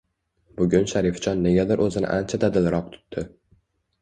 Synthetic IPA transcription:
bʊɡʲʊnʃaɾɪft͡ʃɒnːe̞ɡʲad̪ɪɾʔɵzɪnɪ̰ʔant͡ʃʰad̪ad̪ɪlɾɒq̚t̪ʰʊ̥t̪ːɪ

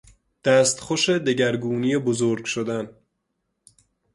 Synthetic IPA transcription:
d̪̥æːst̪xoʃed̪eɟæɾɡuːnijebozoɾɡʃod̪æn

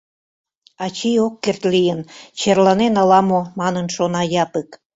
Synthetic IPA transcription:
ɑt͡ɕiokːert̪lijənt͡ɕerlɑnenɑlɑmomɑnənʃonɑjɑpək

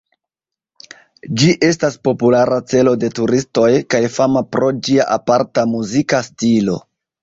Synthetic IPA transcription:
d͡ʒiʔe̞staspo̞pulaɾat͡se̞lo̞de̞tuɾisto̞jkajfamapɾo̞d͡ʒiaʔapaɾtamuzikastilo̞̰

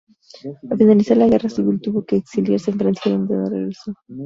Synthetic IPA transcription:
afinalisaɾlaɣ̞e̞rasiβilt̪uβo̞ke̞ːksiljaɾseːɱfɾenjaðont̪ḛnorḛɣɾeso

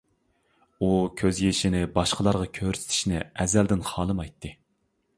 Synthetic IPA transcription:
ukʲʰøzjeʃinɪbɑʃqəlˠɑɾʁɑkʲʰøɾysɪ̥t̪ʰɪ̥ʃnɪɛzæld̪ɪnχɑːlˠɨmɑjt̪ʰːɨ

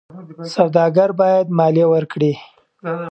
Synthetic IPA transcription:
sawd̪ɑɡaɾbɑjad̪mɑlewəɾkɽi

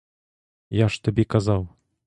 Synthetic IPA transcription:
jaʂt̪abʲɛkazɑw

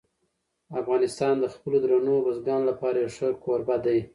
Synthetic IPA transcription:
afɣɑnɪst̪ɑnd̪əxpəlod̪ɾanobazɡɑnlapɑɾaeʂəɾkoɾbad̪aj

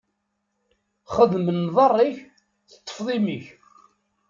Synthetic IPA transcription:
χəðmənːðˤɑrˤːiç | θə̥t̪ˤːə̥fðˤimiç

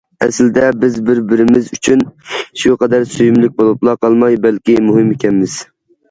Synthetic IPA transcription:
ɛsɪld̪ɛbɪzbɪɾbɪɾɪmɪzyt͡ʃʰynʃuqʰɑd̪æɾsyjymlɪk̚ʲbolˠuplˠɑqɑlˠmɑjbɛlkʲɪmuɦɪmekʲʰɛnmɪz̥

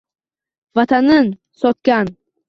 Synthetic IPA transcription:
vat̪ʰanɪn | sɒt̪̚kʲan

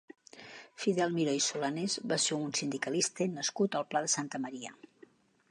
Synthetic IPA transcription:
fiðɛlˠmiɾɔjsulanezβaseunsind̪ikəlist̪ənəskut̪əlˠplaðəsant̪əməɾiə̰

